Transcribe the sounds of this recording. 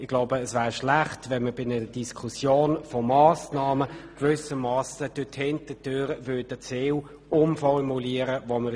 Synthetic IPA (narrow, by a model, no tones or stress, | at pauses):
ɪɡ̥laʊbəːsvæːʁʃlæχtvɛnməbɪnəəd̥iskʰusjoːnfɔmɑːsnɑːməkvʏsəmɑːsəd̥øthɪntədøːɾəvʏːdət͡seːw | ʊmfɔrmuliːəɾəvomə